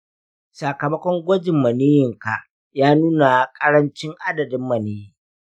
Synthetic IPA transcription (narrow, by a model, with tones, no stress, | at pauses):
sa˨kɐ˨mɐ˦kʷɔ˦ŋɡʷɔ˦d͡ʒɪ˨mːɐ˨neː˦jɪ˨ŋka˨ʔ | jaː˦nuː˦na˨kʼɐ˦ɽɐ˦nt͡ʃɪ˦ŋʔa˦dɐ˨dɪ˦mːɐ˨neː˦